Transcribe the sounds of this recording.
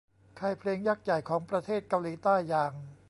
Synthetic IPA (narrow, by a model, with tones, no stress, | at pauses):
kʰa˧˩jpʰleː˧ŋjaː˥˩k̚ja˨˩jkʰɔː˩˦ŋpɾa˧t̪ʰeː˥˩t̪̚ka˧wliː˨˦t̪aː˥˩jːaː˧ŋ